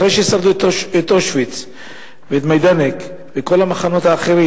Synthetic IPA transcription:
ɾejʃeisald̪utet̪oʃvit͡s | veːt̪majd̪anek | veko̞lhamaχano̞t̪haːχe̞ʁi

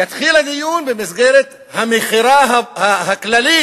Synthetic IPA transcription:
at̪xiːlad̪ɪjuːnbɪmɪsɡeːɾa | hamixɪɾaːɦahahaklaliː

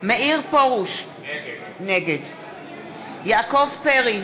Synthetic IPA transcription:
meʔiʁpoʁuʃ | neɡed | jaːkovpeʁi

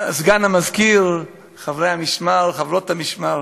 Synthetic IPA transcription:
azɡanamazkil | χavɾejamɪʃmalχavɾotamiʃmal

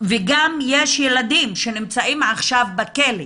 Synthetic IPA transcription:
veɡamjeʃjelad̪imʃenimt͡saʔimʕaχʃavbakeli

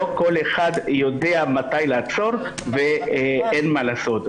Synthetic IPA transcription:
oko̞leχad̪jo̞d̪eamat̪ajleat͡so̞ʁ | veenmalaːso̞t̪

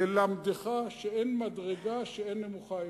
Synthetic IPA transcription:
elamd̪eχaʃeenmadʁeɡaʃeenːemuχa

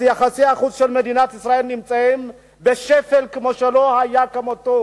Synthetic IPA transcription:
jaχasiaχut͡sʃelmed̪inat̪isʁae̞lnimt͡sahim | beʃefelkemoʃelo̞hajakamot̪o

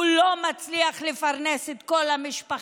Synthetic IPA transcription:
ulo̞mat͡sliaχlefaʁne̞set̪ko̞lamiʃpaχ

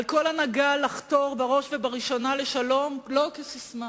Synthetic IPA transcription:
lko̞lanaɡalaχt̪o̞ʁbaʁo̞ʃvebaʁiʃo̞naleʃalo̞mlo̞kesisma

